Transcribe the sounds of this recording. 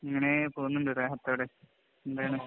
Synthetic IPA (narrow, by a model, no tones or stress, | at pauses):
iŋːɐne̞poːnːuɳɖɨɾeːɦɐt̪ːoːɽe | end̪aːjaɳɨ